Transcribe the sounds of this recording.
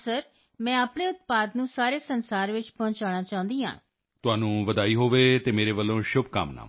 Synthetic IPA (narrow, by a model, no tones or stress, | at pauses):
səɾ | mɛ̃ːaːpɳeːʊt̪̚paːd̪nũːsaːɾeːsənsaːɾʋɪt͡ʃpɔ̃ːɲt͡ʃaːɽ̃aːt͡ʃaːʊ̃nd̪iːã̰ː | t̪ʊaːnũːʋəd̪aːiːɦoːʋeːt̪eːmeːɾeːʋəlːõːʃʊbka̰mna̰ː